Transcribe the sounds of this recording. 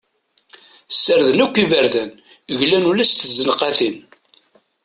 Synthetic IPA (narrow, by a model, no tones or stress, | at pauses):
sːəɾðənækʷːivəɾðæn | ʝlænulæst̪əzːənqaθin